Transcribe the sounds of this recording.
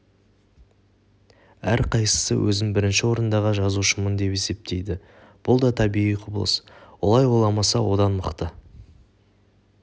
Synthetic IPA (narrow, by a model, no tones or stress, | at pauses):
æɾqʰɑjsə̥səwʔɵ̰zɪŋbɪɾɪnʃɪwo̞ɾənd̪ɑʁəʒɑzuʃəmənd̪e̞pe̞se̞p̚t̪ʰe̞jd̪ɪ | b̥ʊlˠd̪ɑt̪ʰɑbiʁijqʰʊblˠə̰swo̰lˠɑjwo̞lˠɑmɑsɑwo̞d̪ɑnməqt̪ə